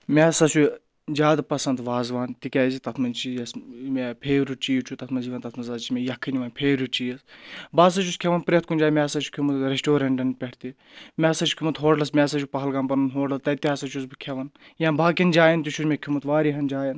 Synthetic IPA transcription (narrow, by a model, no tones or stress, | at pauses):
mʲɛsɐsu | d͡ʒaːd̪pɐsɐnd̪ʋaːzʋaːnt̪ikʲaːzit̪ɐt̪ʰmɐnt͡ʃijɐsmepʰeːɾut͡ʃijt͡ʃʰut̪ɐt̪ʰmɐnziʋɐnt̪ɐt̪ʰmɐnzaːt͡ʃimʲejɐkʰːɨnʲiʋɐːnpʰeːɾut͡ʃijɐsbaːs̬ɐt͡ʃʰuskʲʰeʋɐnpɾʲet̪̚kunʲd͡ʒaːjmʲesɐt͡ʃʰu̥kʲʰumɐt̪ɾesʈoːɾɐɳʈɐnpʲeʈʰt̪i | mʲesɐt͡ʃʰu̥kʰʲumɐt̪ɦoːɖlɐsmʲeːsɐt͡ʃʰupɐɦɐlɡaːmpɐnɐnɦoːɖlɐst̪ɐt̪iaːsɐt͡ʃʰusbɨkʲʰeʋɐnjãːbaːkʲind͡ʒaːjɐnt̪uʃʰud͡ʒmʲekʲʰumɐt̪ʋaːɾiɦɐnd͡ʒaːjɐn